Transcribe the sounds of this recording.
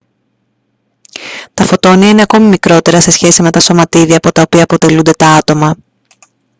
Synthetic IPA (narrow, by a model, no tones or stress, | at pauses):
t̪ɐfo̞t̪o̞niɐineɐko̞mimikɾo̞t̪e̞ɾɐse̞sçe̞sime̞t̪ɐso̞mɐt̪iðiɐːpo̞t̪ɐopiɐːpo̞t̪e̞lund̪e̞t̪ɐɐt̪o̞mɐ